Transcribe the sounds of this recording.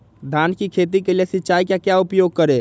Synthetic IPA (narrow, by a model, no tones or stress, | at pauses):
d̪ʱankikʰeːt̪̬ikeliesɪtːt͡ʃaːikjakjaʊpjoːɡ̚kəɾe